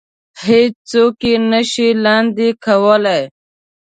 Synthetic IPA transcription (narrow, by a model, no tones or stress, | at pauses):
het͡ʃt͡sokenəʃilɑnd̪ikʰawəlaj